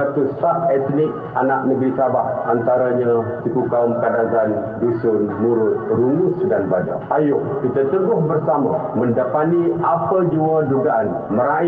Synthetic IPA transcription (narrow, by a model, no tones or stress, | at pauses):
at̪ʊsaʔɛt̪nɪk̚ | anak̚nəɡɾisabaʔant̪aɾaɲat̪ikukaumkadaɡandusənmuɾʊt̪̚ɾumʊsdanbada̰ajʊʔkit̪at̪əɡʊhbərsamã̰mə̃ndapaniapəd͡ʒuaduɡaʔan | məɾa